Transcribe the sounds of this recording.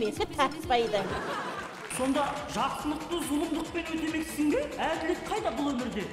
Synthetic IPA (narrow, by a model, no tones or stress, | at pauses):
me̞t̪ɪt̪ʰæt̪ɪ̥spɑjd̪ɑjmet̪e | so̞nd̪ɑʒɑɾsənəq̚t̪əzʊmˠəmd̪əq̚pe̞nwɵt̪e̞me̞k̪ɪzɪŋɡ̪ʲe̞æd̪ɪlek̪̚qʰɑjd̪ɑbʊlˠwɵmɪɾd̪e̞